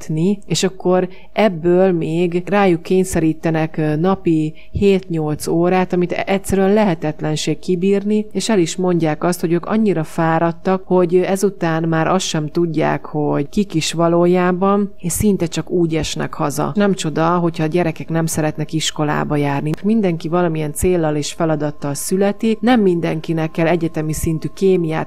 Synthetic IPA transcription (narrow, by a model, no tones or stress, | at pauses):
t̪nieːʃɒkːo̞ɾ | ʔɛbːøːlmeːɡraːjukːeːɲsɛɾiːt̪ːɛnɛknɒpi | heːt̪ɲo̞lt̪soːɾaːt̪ɒmit̪ɛtsɛɾyɛnlɛɦɛt̪ɛt̪lɛnʃeːkkːibiːrnieːʃɛliʃmo̞ɲɟaːkɒst̪ho̞ɟøːkɒ̰ɲːiɾɒfaːɾɒt̪ːɒkho̞ɟɛzut̪aːnmaːɾʔɒst̪ʃɛmt̪uɟːa̰ːkho̞ɟkikiʃʋɒloːjaːbɒneʃsint̪ɛt͡ʃɒkuːɟɛʃnɛ̰khɒzɒ̰nɛmt͡ʃo̞d̪ɒɦo̞cʰhɒːɟɛɾɛkɛknɛmsɛɾɛt̪nɛkiʃko̞la̰ːbɒjaːrnimind̪ɛŋkivɒlɒmiɛnt̪seːlːɒleːʃfɛlɒd̪ɒt̪ːɒlsylɛt̪inɛmːind̪ɛŋkinɛkːɛlɛɟɛt̪ɛmisin̪t̪ykeːmijaːt̪